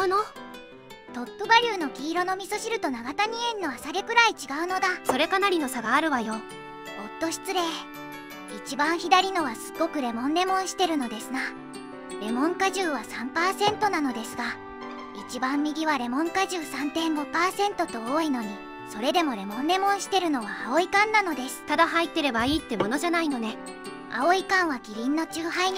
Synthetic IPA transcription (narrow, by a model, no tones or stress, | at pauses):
ɯno | t̪o̞t̪ːobaɾʲɯːno̞kʲiːɾo̞no̞mʲiso̞ɕiɾɯ̟t̪o̞naɡat̪aɲ̟iẽ̞nːo̞asaɡe̞kɯ̟ɾait͡ɕiɡaɯ̟no̞d̪aso̞ɾe̞kanaɾʲino̞saɡaːɾɯ̟βajo̞ | ot̪ːo̞ɕi̥t͡sɨɾe̞ː | it͡ɕibãɰ̃çid̪aɾʲino̞βasɨ̥ɡːo̞kɯ̟ɾe̞mõ̞nːe̞mõ̞ɰ̃ɕi̥t̪e̞ɾɯ̟no̞d̪e̞sɨna | ɾe̞mõ̞ŋkaʑɨːβasãmpaːsẽ̞nt̪o̞nano̞d̪e̞sɨɡa | it͡ɕibãmːʲiɡʲiβaɾe̞mõ̞ŋkaʑɨːsãnt̪ẽ̞ŋɡo̞paːsẽ̞nt̪o̞t̪o̞oːino̞ɲ̟i | so̞ɾe̞d̪e̞mo̞ɾe̞mõ̞nːe̞mõ̞ɰ̃ɕi̥t̪e̞ɾɯ̟no̞βaːo̞ikãnːano̞d̪e̞sɨ̥t̪ad̪aɦait̪ːe̞ɾe̞baiːt̪ːe̞mo̞no̞ʑanaino̞ne̞ | a̰o̞ikãɰ̃βakʲiɾʲĩnːo̞t͡ɕɨːɦaiɲ